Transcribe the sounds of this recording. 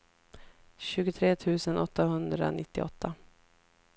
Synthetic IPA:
ɕʉ̟ːɡʊt̪ʰɾeːt̪ʰʉ̟ːsənʔɔt̪ːaɦɵnd̪ɾa̰nɪt̪ːɪɔt̪ːa

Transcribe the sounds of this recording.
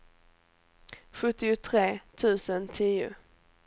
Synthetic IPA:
ɧɵt̪ːɪʊt̪ʰɾeːt̪ʰʉ̟ːsənt̪ʰiːʊ̰

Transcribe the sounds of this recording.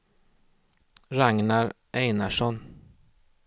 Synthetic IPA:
ɾaŋnaɾ | ʔɛjnaʂɔn

